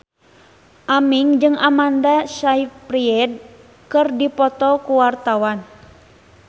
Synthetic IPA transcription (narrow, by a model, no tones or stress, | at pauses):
ʔamiŋd͡ʒɨŋʔamandasaipɾiɛd̚ | kɨrdipɔt̪ɔkuwart̪awan